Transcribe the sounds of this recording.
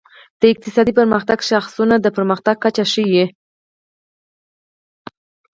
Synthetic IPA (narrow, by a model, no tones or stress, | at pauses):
d̪̥əɪq̚t̪ɪsɑd̪ipəɾməxt̪aɡʃaxsunad̪əpəɾməxt̪aɡ̚kat͡ʃaʃəji